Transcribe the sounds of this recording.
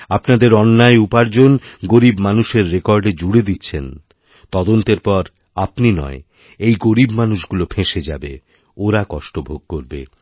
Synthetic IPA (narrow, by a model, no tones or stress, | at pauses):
apnad̪eɾɔnːaeupaɾd͡ʑonɡoɾibmanuʃeɾːekɔɾɖed͡ʑuɽed̪itːɕʰen | t̪ɔd̪ont̪eɾpɔɾ | apninɔ̰e | ejɡoɾibmanuʃɡulopʰẽʃed͡ʑa̰bḛ | oɾakɔʃʈobʱoɡ̚koɾbe